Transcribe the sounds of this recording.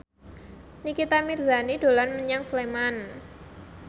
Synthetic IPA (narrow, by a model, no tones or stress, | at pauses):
nikit̪amirzanid̥o̤lanməɲaŋsleman